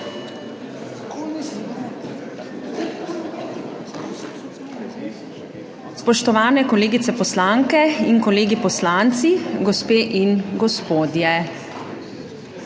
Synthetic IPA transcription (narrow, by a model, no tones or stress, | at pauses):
spɔʃt̪ɔʋaːnɛkɔleːɡit̪sɛpɔslaŋkɛiŋkɔleːɡipɔslant̪siɡɔspeːʔinɡɔspoːd̪jɛ